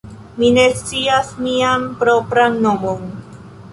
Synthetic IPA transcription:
minest͡siasmiampɾopɾaŋnomon

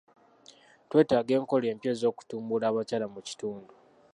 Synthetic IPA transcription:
twe̞ːtaːɡe̞ːŋko̞le̞ːmpjezo̞ːku̥tuːmbulaːβacaːlamuci̥tuːndu

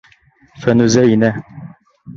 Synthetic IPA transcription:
fænʉzæinæ

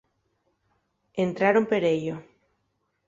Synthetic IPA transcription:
ent̪ɾaɾompeɾejo

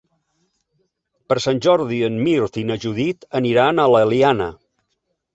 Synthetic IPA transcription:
pəɾsanʲʒɔɾðiənmiɾt̪inəʒuðit̪əniɾanələlianə̰

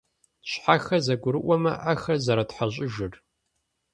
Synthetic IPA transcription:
ɕħaxɐzɐɡʷʊɾɨʔʷɔmɐ̰ʔaxɐzɐɾɐtħaɕʼɪʒɨr

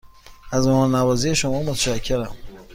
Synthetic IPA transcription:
æzmɔmɔnnævɒːzijeʃomɒːmot̪ʰæʃækʰːeɾæm

